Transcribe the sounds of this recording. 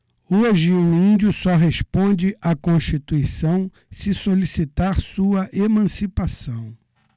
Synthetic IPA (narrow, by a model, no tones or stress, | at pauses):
ooʒɪẽĩd͡ʒʊsɔɦespõd͡ʒɪʔakõʃt͡ʃit̪uisɐ̃w̃ | sɪsolisit̪aɾsuɐʔemɐ̃sipasɐ̃w̃